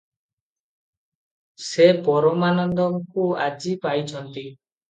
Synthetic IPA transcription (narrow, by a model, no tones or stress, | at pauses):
sepɔɾɔmanɔnd̪ɔŋkua̰d͡ʒipajt͡ʃʰɔnt̪i